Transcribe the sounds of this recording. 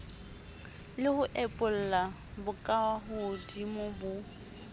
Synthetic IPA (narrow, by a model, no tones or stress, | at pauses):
lɪhʊʔɛpʼʊl̩la | bʊkʼawaɦʊdimʊbʊ